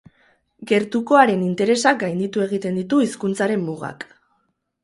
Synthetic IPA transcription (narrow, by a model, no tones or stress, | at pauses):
ɡe̞ɾt̪uko̞aɾe̞nint̪e̞ɾe̞sak̚ɡajnd̪it̪ue̞ɣ̞it̪e̞nd̪it̪uiskunt͡saɾe̞mːuɣa̰k